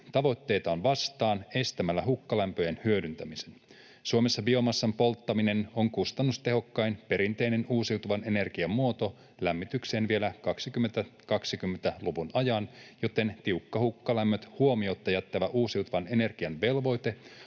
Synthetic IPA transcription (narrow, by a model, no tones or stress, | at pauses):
t̪ɑʋo̞t̪ːe̞jt̪ɑonʋɑst̪ɑːne̞st̪æmælːæɦukːɑlæmpøjenhyødynt̪æmise̞n | suomesːɑbio̞mɑsːɑmpo̞lt̪ːɑmine̞no̞ŋkust̪ɑnːust̪e̞ɦo̞kːɑjnpe̞ɾint̪e̞jne̞nuːsiuwt̪uʋɑne̞ne̞rɡiɑmːuo̞t̪o̞ | læmːit̪ykse̞ːnʋielækɑksikymːent̪ækɑksikymːent̪æluʋunɑjɑnjo̞t̪e̞nt̪iuwkːɑhukːɑlæmːøt̪huo̞miot̪ːɑjæt̪ːæʋæʔuːsiuwt̪uʋɑne̞ne̞rɡ̥iɑnʋe̞lʋo̞jt̪e̞